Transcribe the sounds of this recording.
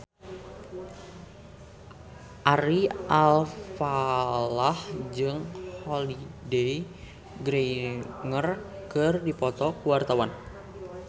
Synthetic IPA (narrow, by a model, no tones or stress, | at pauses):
ʔaɾiʔalfalahd͡ʒɨŋholidej | ɡɾeŋər | kɨrdipɔt̪ɔkuwart̪awan